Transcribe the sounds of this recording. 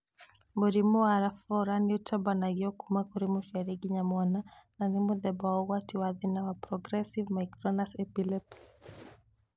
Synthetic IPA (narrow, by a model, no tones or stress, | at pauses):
mbuɾimuaɾafɔɾaniutabanaɡiɔkumakuɾimuʃaɾiɡiɲamwanananimuðɛbaɔɣwatiwaðinawapɾɔɡɾɛsivmajkɾɔnasɛpilɛps